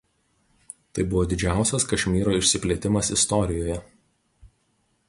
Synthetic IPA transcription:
t̪ɐɪbʊʋoːd̪ʲɪd͡ʒʲæˑʊsʲɛskɐʃʲmʲiːɾoːɪʃʲsʲɪpʲlʲeːt̪ʲɪmɐsɪst̪ɔɾʲɪjoːjɛ

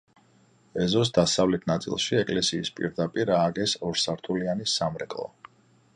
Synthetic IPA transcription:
ɛzɔs̬d̪asavlɛt̪ʰnat̪sʼḭlˠʃiɛkʼlɛsiːspʼḭɾd̪apʼiɾaːɡɛsɔɾsaɾt̪ʰulianisamɾɛkʼlˠɔ̰

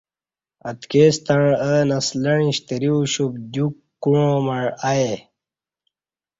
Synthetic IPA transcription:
ɐt̪kest̪əɻənɐsləɻĩɕt̪əɾiɕub̚d̪ukː | uɻõmɐɻae

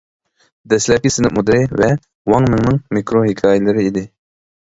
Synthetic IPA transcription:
d̪ɛslɛkʲisɪnɪmud̪ɾɪvɛ | wɑŋmɪŋnɪŋmikʰɾoɦikʰɑːjɪlˠɨɾɪid̪ɪ

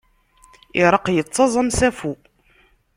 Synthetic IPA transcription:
iɾˤəqjət͡sːɑzˤəmsæfu

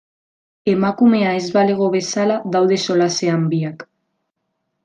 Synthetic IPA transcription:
emakume̞aezβale̞ɣ̞o̞βesalaðawðe̞so̞laseambiak

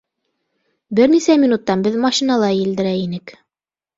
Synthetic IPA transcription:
bɘɾnisæmʲinut̪ːɑnbɘðmɑɕinɑlˠɑjɘ̆ld̪ɘ̆ɾæinɘk

